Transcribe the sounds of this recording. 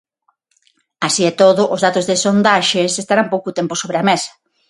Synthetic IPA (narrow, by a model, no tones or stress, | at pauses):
asiɛt̪oðʊʔozðat̪ozðɪsond̪aʃesest̪aɾampowkʊot̪ɛmpʊsoβɾeamesɐ̥